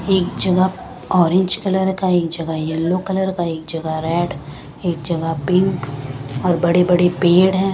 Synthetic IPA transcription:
eːkd͡ʒɐɡə | ɔːɾɪ̃ɲd͡ʒkɐləɾkaeːk̚d͡ʒɐɡajɛlːokɐləɾkaeːk̚d͡ʒɐɡaɾɛːɖ | eːk̚d͡ʒɐɡapɪ̃ŋkɔːɾbɐɽebɐɽepeːɽɦɛ̃ː

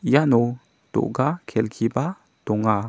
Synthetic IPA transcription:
jano | to̰ʔɡakʰɛlkʰiba | tɔŋa

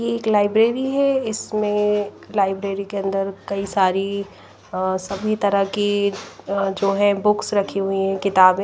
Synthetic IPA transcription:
jeeːklaːɪbɾeːɾiɦɛɪsmẽ | laːɪbɾeːɾikeɐ̃nd̪əɾkɐisaːɾi | sɐbʱit̪ɐɾəki | d͡ʒoːɦɛ̃bʊksɾɐkʰiɦʊiɦɛ̃kɪt̪aːbẽ

